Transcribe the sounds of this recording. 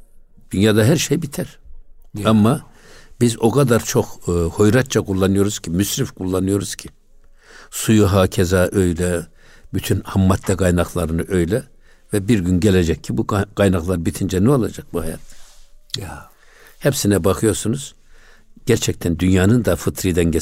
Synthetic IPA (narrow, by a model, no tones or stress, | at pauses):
d̪̥ynjaːd̪aɦæɾʃejbit̪ʰæɾ̥ | amːa | bizo̞kʰad̪aɾt͡ʃʰo̞xho̞jɾat̪̚t͡ʃʰakʰulˠːanɯjo̞ɾuz̥cʰimysɾifkʰulˠːanɯjo̞ɾuz̥cʰi | sujuɦaːcʰɛzaʔøjlɛ | byt̪ʰynhamːat̪ʰlɛɡajnaxlˠaɾɯnɯʔøjlɛ | vɛbiɾɡynɟɛlɛd͡ʒɛcʰːibuɡ̥ajnaxlˠaɾbit̪ʰind͡ʒɛnuolˠad͡ʒak̚buhaja̰t̪ʰːɛ̥ | hɛpsinɛbaxʰɯjo̞ɾsunuz̥ | ɟ̥æɾt͡ʃʰɛc̚t̪ʰænd̪ynjaːnɯnd̪afɯt̪ʰɾid̪ɛnɟɛ